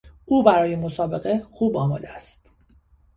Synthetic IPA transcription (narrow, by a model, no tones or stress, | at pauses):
ʔuːbæɾɒːjemo̞sɒːbe̞ɣe̞xuːbɒːmɒːd̪eæst̪